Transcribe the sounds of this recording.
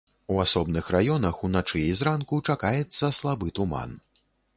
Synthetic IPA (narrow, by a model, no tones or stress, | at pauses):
uasɔbnɨxrajɔnɐxunat͡ʂɨizɾankut͡ʂakajɛt̪sːɐslˠabɨt̪uma̰n